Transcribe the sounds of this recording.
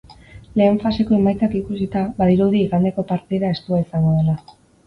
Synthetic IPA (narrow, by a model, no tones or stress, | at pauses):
le̞ːɱfase̞ko̞e̞majt͡sakikusit̪aβaðiɾuðiːɣand̪e̞ko̞paɾt̪iðae̞st̪uaisaŋɡo̞ðela